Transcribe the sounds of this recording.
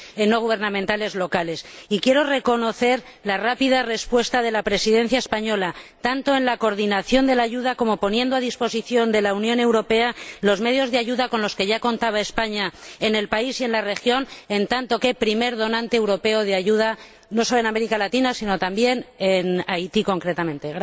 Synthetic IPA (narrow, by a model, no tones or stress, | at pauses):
enːo̞ɣ̞uβ̞e̞ɾnãmẽnt̪ale̞zlo̞kale̞sikje̞ɾo̞re̞ko̞no̞θe̞ɾ | larapiðare̞spwe̞st̪aðe̞lapɾe̞siðe̞n̟θjaespaɲo̞lat̪ant̪o̞e̞nlako̞ɾðinaθjo̞nd̪e̞laʝuðako̞mo̞po̞nje̞nd̪oaðispo̞siθjo̞nd̪e̞launjõ̞ne̞wɾo̞pe̞alo̞zme̞ð̞jo̞zðeaʝuðako̞nlo̞ske̞ʝako̞nt̪aβae̞spaɲae̞ne̞lpaisie̞nlare̞xjo̞ne̞nt̪ant̪o̞ke̞pɾime̞ɾðo̞nãnt̪eːwɾo̞pe̞oð̞eaʝuð̞a | noso̞loe̞name̞ɾikalat̪inasino̞t̪ambje̞nenajt̪iko̞ŋkɾet̪amẽnt̪eɣ